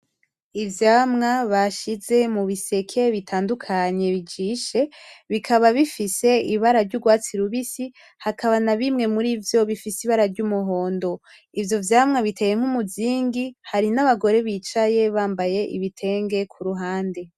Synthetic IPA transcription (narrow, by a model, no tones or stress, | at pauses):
ivjaːmŋaβaʃize̞muβise̞kʰe̞βitʰaːndukʰaɲe̞βid͡ʒiːʃe̞βikʰaβaβifise̞iβaɾaɾɟuɡwaːt͡siɾuβisi | hakʰaβanaβimŋe̞muɾiːvjo̞βifisiβaɾaɾɟumuɦo̞ːndo̞ | ivjo̞vjaːmŋaβitʰe̞ːje̞ŋ̥humuziːŋɡihaɾinaβaɡo̞ɾe̞βiːt͡ʃaje̞βaːmbaje̞ʔḭβitʰe̞ːŋɡe̞kʰuɾuɦaːnde̞